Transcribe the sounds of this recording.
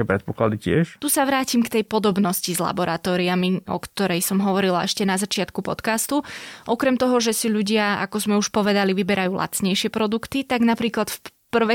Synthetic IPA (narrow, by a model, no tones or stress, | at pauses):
ɛpɾɛt̪pɔklad̪icɪɛʃt̪usaʋɾaːcimkt̪ɛjpɔd̪ɔbnɔscizla̰bɔɾat̪ɔːɾiamiɔ̰kt̪ɔɾɛjsɔmɦɔʋɔɾilaʔɛʃcɛnazat͡ʃɪat̪kupɔt̪kast̪uʔɔkɾɛmt̪ɔɦɔʒɛsiʎuɟɪaa̰kɔzmɛuʃpɔʋɛd̪aliʋibɛɾʔajuːlˠʔa̰t͡sɲɛjʃɪɛpɾɔd̪ukt̪it̪aɡnapɾiːklat̪f | pr̩ʋɛ